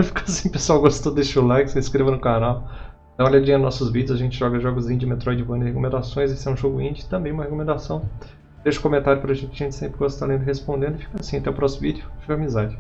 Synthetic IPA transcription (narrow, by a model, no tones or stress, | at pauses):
fi̥kɐsĩpesuawɡost̪t̪od̪est͡ʃulajkseiskɾevɐnʊkanaw̪ | ɐ̃ɔʎɐd͡ʒĩɲɐnɔsʊzvid͡ʒʊzaʒẽnt͡ʃɪʒɔɡɐʒɔɡʊzĩɲʊzd͡ʒɪmet̪ɾɔjd͡ʒɪvɐ̃nɪhekomẽnd̪asõj̃zesɪɛũʒoɡʊĩd͡ʒɪt̪ɐ̃mbẽj̃ũmɐhekomẽnd̪asɐ̃w̃ | d̪eʃʊ̥kõmẽnt̪aɾjʊpɾɐʒẽnt͡ʃɪkɐʒẽnt͡ʃɪ̥sẽmpɾɪɡost̪alẽnd̪ʊhespõnd̪ẽnd̪ʊɪfi̥kasĩɐt̪ɛʊpɾɔsimʊvid͡ʒʊfiɡɐamizad͡ʒɪ